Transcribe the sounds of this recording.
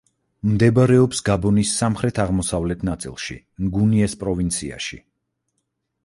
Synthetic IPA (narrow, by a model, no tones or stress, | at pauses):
md̪ɛbaɾɛɔpsɡabɔnisːamχɾɛt̪ʰaʁmɔsavlɛt̪ʰnat̪sʼḭlˠʃḭ | mɡuniɛspʼɾɔvint̪sʰia̰ʃḭ